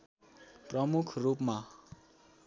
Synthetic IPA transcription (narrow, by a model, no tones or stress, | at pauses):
prʌmukʰrupma